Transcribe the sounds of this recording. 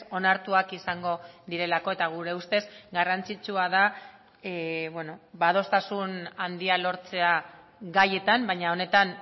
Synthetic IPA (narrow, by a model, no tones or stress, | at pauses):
o̞naɾt̪uakisaŋɡo̞ðiɾe̞lako̞e̞t̪aɣ̞uɾe̞ust̪e̞zɡarant͡sit͡suaða | βwe̞no̞bað̞o̞st̪asunand̪ialo̞ɾt͡se̞a | ɡaje̞t̪ambajɲao̞ne̞t̪an